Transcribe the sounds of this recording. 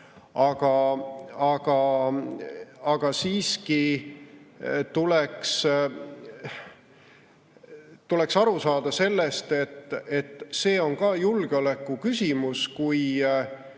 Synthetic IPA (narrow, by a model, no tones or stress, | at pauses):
ɑɡ̥ɑ | ɑɡ̥ɑ | ɑɡ̥ɑsiːski | t̪uleks | t̪ule̞ksɑɾusɑːd̪̥ɑse̞lːe̞st̪et̪ːˑet̪ːˑse̞ːo̞nkɑːjulɡ̥eo̞lekːˑukysʲimuskuj